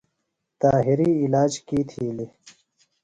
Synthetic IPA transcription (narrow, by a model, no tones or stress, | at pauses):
t̪aːɦiɾiilaːd͡ʑkiːt̪ʰiːli